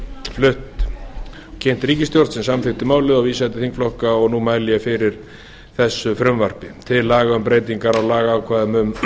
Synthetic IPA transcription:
flʏht̪ | cʰɛjn̥t̪ɾiːcɪst̪jowɾt̪sɛmsamfɪht̪ɪmaːwlɪðɔɣviːsat̪ɪθiŋkflɔhkaɔɣnumaːjlɪjafɪɾɪɾ̥ | θɛsːʏfɾʏmvar̥pɪt̪ʰɪlːaːɣaʏmpɾeːjt̪iŋkaɾawlaːɣaːwkʰvaːðɪmʏm

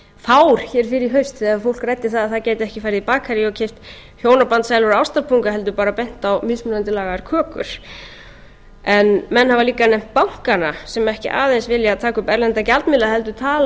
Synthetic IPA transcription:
faːwɾ̥çɛːɾ̥fɪɾɪɪɦœɥst̪θɛaðfowl̥krɛjt̪ːɪ̥θaðaðθaðceːjt̪ɪɛhcɪfajɾɪðipaːkʰaɾɪɔcʰeft̪ | hjoːwnapant̪saːjlʏɾaːwst̪aɾpʰuŋkaɦɛlt̪̬ʏpaːɾapɛn̥t̪awmɪsmʏnant̪ɪlaːɣaɾkʰœːkʏ̰ɾ̥ | ɛnmɛnːhavaliːkanɛjm̥t̪̚pawŋ̥kanasɛmɛhcɪ̰ʔa̰ːðejnsvɪljat̪ʰaːkʏpɛɾlɛnt̪acalt̪mɪlaɦɛlt̪̬ʏt̪ʰaːl

